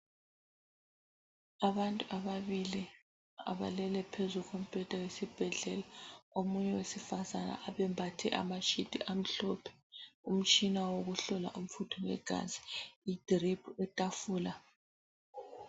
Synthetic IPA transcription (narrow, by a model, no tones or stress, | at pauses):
aβantʼuʔaβaβili | a̰βa̰lɛlɛpʰezuɣɔm̩pʼɛtʼawesib̥ʱɛɮɛlaomuɲɛwesifazana̰ʔaβɛmbʱatʰɛ̰ʔa̰mat͡ʃʼid̥ʱʼiʔam̩ɬɔpʰɛ̥um̩t͡ʃʼinawoɣuɬɔla̰ʔum̩futʰɔnɛ̰ɡ̥ʱa̰zi̥id̥ripʰuɛtʼafuːla